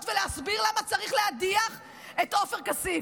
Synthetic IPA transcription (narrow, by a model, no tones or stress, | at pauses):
t̪veleasbiʁlamat͡saʁiχlead̪iaχ | et̪o̞feʁkasi